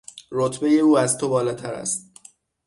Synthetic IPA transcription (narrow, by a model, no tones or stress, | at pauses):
rot̪ʰbe̞je̞uːæzt̪ʰo̞bɒːlɒːt̪ʰæɾæ̰st̪̚